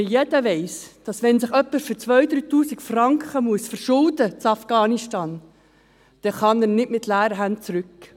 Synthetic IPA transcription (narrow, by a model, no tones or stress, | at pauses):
jɛdəʋɛɪsd̥ɑsʋɛnsɪχœpːəsføɾt͡sʋœʏd̪ɾyːt̪uːsikfrɑŋkχəmuəsfəɾʃʊldət͡sɑfɡ̥ɑːniʃtɑːn | d̪̥ɛχɑnəɾnɪdmɪt̪læːɾəɦænt͡sɾʏkː